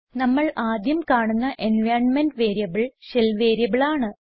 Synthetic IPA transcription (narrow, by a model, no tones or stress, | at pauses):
nɐmːɐɭaːd̪jɐmkaːɳunːɐʔenʋjaːrnmenɖʋeːɾijɐbɨɭɕelʋeːɾijɐbiɭaːɳɨ